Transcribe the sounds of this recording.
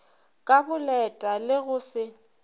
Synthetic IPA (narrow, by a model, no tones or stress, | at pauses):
kʼabʊlɛtʼalɪɣʊsɪ